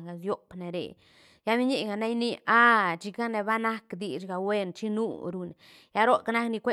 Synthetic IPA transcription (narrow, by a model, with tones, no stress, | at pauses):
ɡa˨sjo˦kne˨ɾḛ˨ | ja˦mi˦ɲi˦ɡa˨na˦jni˦a˦t͡ʃi˧ka˦ne˧ba˦na˦kd̪i˨t͡ʃɡa˨we˦nt͡ʃi˦nṵ˦ɾu˧ne˨ | ja˦ɾo˦ka˦na˦kni˧kʷe˦